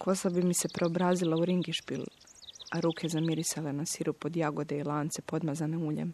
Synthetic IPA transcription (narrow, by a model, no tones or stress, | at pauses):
kʰo̞sabimisepɾe̞obɾaːzilauɾiŋɡiʃpil | aɾuːkʰe̞zamiɾisalenasiɾupo̞d̪jaɡo̞d̪eilˠaːnt̪se̞po̞d̪mazaneuːʎḛm